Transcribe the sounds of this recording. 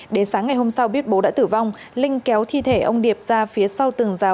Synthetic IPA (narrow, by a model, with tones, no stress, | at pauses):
ɗe˨˦nsaː˨˦ŋːa˨˩jho˧msa˧wɓi˦˥ət̚ɓo˨˦ɗa̰ː˧˥t̪ɨ˧˩va˧wŋ͡m | lï˧ŋ̟kɛ˨˦wt̪ʰi˧t̪ʰe˧˩ʔə˧wŋ͡mɗi˨˩əp̚z̥aː˧fi˨˦əsa˧wt̪ɨ˨˩əŋzaː˨˦w